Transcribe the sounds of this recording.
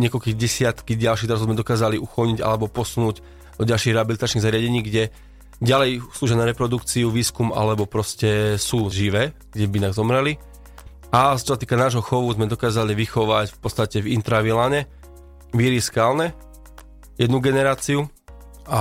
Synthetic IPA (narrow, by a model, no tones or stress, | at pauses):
ɲɪɛkɔlkiːɣɟɛsɪat̪kiɟalʃiɣt̪ɾazʊzmɛd̪ɔkaːzaliʔuxɔlɲiɟa̰lɛbɔpɔsunuːɟ | d̪̥ɔɟalʃiːɣɾɛɦabilit̪at͡ʃniɣzaɾɪaɟɛɲiːɡɟɛ | ɟalɛjsluːʒɛanaɾɛpɾɔd̪ukt͡siuʋiːskumʔa̰lɛbɔpɾɔscɛsuːʒiʋɛːɡ̥ɟɛbinaɣzɔmɾɛli | at͡ʃɔsat̪iːkanaːʒɦɔxɔʋuzmɛd̪ɔkaːzaliʋixɔʋacfpɔtt͡st̪acɛvḭnt̪ɾaʋilaɲɛ | ʋiɾiskaːlnɛ | jɛd̪nuɡɛnɛɾaːt͡siu | a